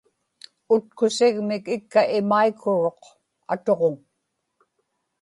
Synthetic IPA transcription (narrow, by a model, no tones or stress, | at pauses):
ʊt̪̚kʊsɪɣmɪkɪkːaʔɪmaikʰːʊɻo̞q | a̰t̪o̞ʁoŋ